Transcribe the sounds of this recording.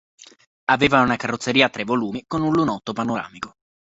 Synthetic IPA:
aveːvaunakarːot̪sːeɾiːat̪ːɾevoluːmikonunlunɔt̪ːopanoɾa̰ːmiko

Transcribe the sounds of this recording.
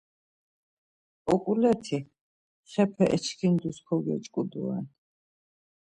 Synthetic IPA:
ɔkʼulɛt̪ʰi | χɛpʰɛʔɛt͡ʃʰkʰind̪uskʰɔɡɛ̰t͡ʃʼkʼud̪ṵa̰n

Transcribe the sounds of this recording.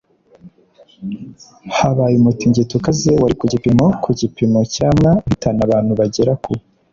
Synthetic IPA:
haβaːjumutiɲɟitukazewaɾikuɟipimo̞kʰuɟipimo̞caːmŋaβitanaβaːn̥huβaɟeɾaku

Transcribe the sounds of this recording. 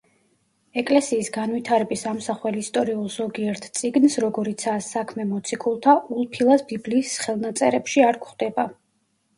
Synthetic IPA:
ɛkʼlɛsiːsɡanvit̪ʰaɾɛbisamsaχwɛliist̪ʼɔɾiulˠz̥ɔɡiɛɾt̪ʰt̪sʼiɡnsɾɔɡɔɾit̪sʰaːsːakʰmɛmɔt̪sʰikʼulˠt̪ʰaʔulˠpʰilˠasbibliːsχɛlˠnat̪sʼɛɾɛpʃiaɾkʰχd̪ɛba

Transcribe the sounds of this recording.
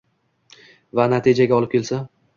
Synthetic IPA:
vanat̪ʰɪd͡ʒaɡʲaɒlɪp̚kʲʰe̞lsa

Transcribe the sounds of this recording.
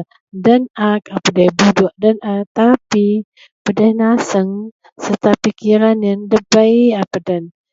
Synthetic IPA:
dənakapadajbuduʔ̚dənat̪api | pədahnasəŋ | sərt̪apikiɾanjandəbəjapədən

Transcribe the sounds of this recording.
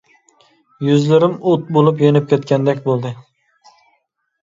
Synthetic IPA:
jyzlɪɾɪmot̪̚bolˠɪp̬jenɪp̚kʲʰet̪kʲand̪ɛkʲbolˠd̪ɪ

